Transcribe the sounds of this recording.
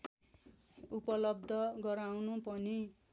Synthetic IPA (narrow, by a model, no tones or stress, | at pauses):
upʌlʌb̚d̪ʱʌɡʌɾawnupʌni